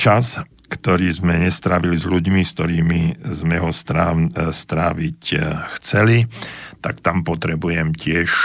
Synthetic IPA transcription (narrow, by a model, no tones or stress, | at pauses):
t͡ʃas | kt̪ɔɾiːzmɛɲɛst̪ɾaːʋilizʎuɟmist̪ɔɾiːmizmɛɦɔst̪ɾast̪ɾaːʋicxt͡sɛlit̪akt̪ampɔt̪ɾɛbujɛmcɪɛʃ